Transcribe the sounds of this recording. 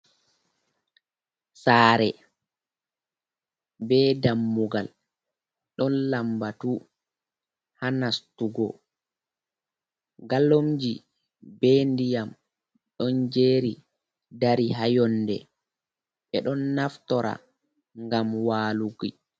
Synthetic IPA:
saːɾɛ | bɛːdamːuɡal | ɗɔnlambatu | hanastuɡɔ | ɡalomd͡ʒi | bɛndijam | ɗɔnd͡ʒeːɾi | daɾiɦajɔnːdɛ̰ | ɓɛɗɔnːaftɔɾa̰ | ŋɡamwaːluɡi

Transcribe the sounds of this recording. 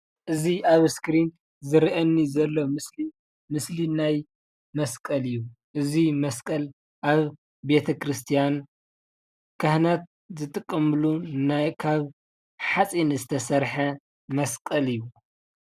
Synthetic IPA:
ʔɨziaβskɾint̪ | zɨɾʔɐnːizɐlːomɨsli | mɨslinaj | mɐskʼɐlɨjːuʔɨzimɐskʼɐl | ʔaβ | be̞t̪ʰɐkʰɾɨst̪ʰijan | kʰɐhnat̪̚ | zɨt̪ʼɨkʼːɐmɨlunakʰaβ | ħat͡sʼinɨzɨt̪ʰɐsɐɾħɐ | mɐskʼɐlɨjːu

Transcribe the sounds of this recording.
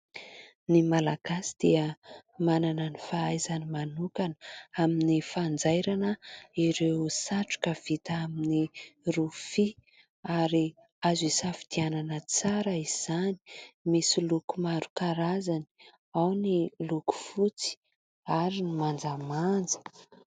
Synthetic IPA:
nimalaɡ̥asi̥d̪̥iəmananənifaajzanimanukanəaminifand͡zajɾanəiɾewsaʈ͡ʂu̥kəv̥it̪aaminirufi | aɾi | azisafi̥d̪̥iananət͡saɾəiz̥ani̥misilukumaɾukaɾazani̥ | awniluku̥fut͡si̥ | aɾinimand͡zamand͡zə̥

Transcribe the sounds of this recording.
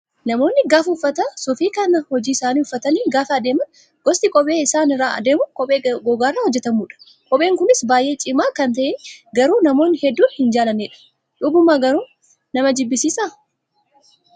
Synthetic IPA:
nɐmo̞ːnːɪɡaːfɐʊfːɐt̪ɐsʊfiːkɐnɐhɔd͡ʒiːɪsaːniːʊfːɐt̪ɐniːɡaːfɐɐd̪e̞ːmɐn | ɡ̥ɔst̪ɪkʼɔpʼe̞ːɪsaːnɪrːaːɐ̰d̪e̞ːmʊkʼɔpʼeːɡɔɡaːrːaːhɔd͡ʒːɛt̪ɐmuːᶑɐ̥ | kʼɔpʼeːŋkʊnɪsbaːjʔe̞ːt͡ʃʼɪmaːkɐnt̪ɐʔeɡɐɾuːnɐmo̞ːnːɪhɛd̪ːuːnhɪnd͡ʒaːlɐneːᶑɐ̥ | ᶑuːbʊmːaːɡɐɾuː | nɐmɐd͡ʒɪbːɪsiːsaː

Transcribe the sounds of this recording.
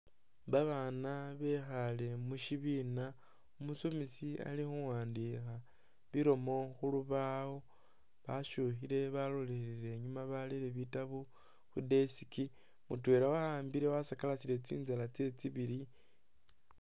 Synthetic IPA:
βaβanaβe̞xale̞muʃiβina | umusomisia̰lixuwaːndixa | βiɾo̞mo̞xuluβawo̞ | βaʃuxiɾe̞βalo̞leɾeɾe̞ɲumaβaliɾeβitaβu | xudesiki | mṵtwe̞ːɾawahaːmbiɾe̞wasakalasiɾe̞t͡sḭːnzalat͡se̞t͡siβiɾi

